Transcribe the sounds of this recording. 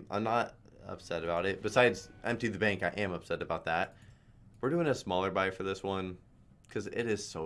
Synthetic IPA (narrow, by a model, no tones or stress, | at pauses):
ʔã̰ɪ̃mnəɾ | ʌ̰psɛɾɨbaʊɾɨt̚b̥ɨsaɪdzʔɛ̰̃m̚tiðɨbæ̃ŋkaɪʔɨ̃mʌpsɛɾɨbaʊt̪̚ðæt̚ | wɨɹdʉɪ̃ŋɨsmɔlˠə˞baɪfə˞ðɪswʌ̃n | kʰʌzɪ̰ɾɪz̥soʊ